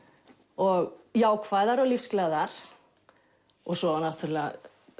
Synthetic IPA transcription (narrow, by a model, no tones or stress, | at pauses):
ɔɣjaːwkʰvaːjðaɾɔɣlifsklaðaɾ̥ | ɔɣsɔanat̪ʰʏɾlɪa̰